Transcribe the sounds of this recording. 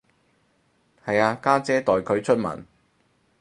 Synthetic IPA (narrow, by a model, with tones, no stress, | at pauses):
hɐ˨jaː˧kaː˥t͡sɛː˥t̪ɔː˨jkʰɵ˨˧ɥt͡ʃʰɵ˥t̚mɐ̰˨˩n